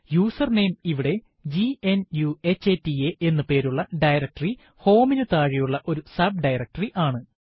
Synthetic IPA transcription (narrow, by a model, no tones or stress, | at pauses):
juːsɐrne̞jmiʋiɽe̞ | d͡ʑienjue̞t͡ɕːetːieʔe̞nːupe̞ːɾuɭːɐɖɐjɾɐk̚ʈɐri | ho̞ːminut̪aːɻijuɭːɐʔo̞ɾusɐbɖɐjrɐk̚ʈɐriʔaːɳɨ